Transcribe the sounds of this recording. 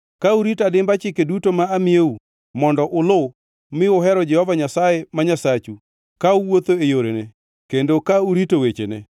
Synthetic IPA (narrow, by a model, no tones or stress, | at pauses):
kauɾitadɪmbat͡ʃɪkedutomaːmieu | mɔndɔʔʊlʊ | mɪʊɦɛɾɔd͡ʒɛhɔvaɲasajemaɲasat͡ʃu | kauwot̪oejoɾene | kendokauɾitowet͡ʃḛnḛ